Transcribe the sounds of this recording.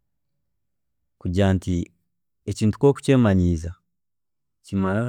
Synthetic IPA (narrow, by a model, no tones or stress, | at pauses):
kuɟaːnti | eciːntu̥ko̞ːku̥ceːmaɲiːza | cimala